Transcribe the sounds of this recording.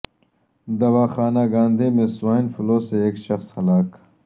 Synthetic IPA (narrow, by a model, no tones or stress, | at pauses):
d̪ɐwaːxaːnaːɡãːnd̪ʱemẽswaːnfʊloːseeːkʃɐxshɐlaːk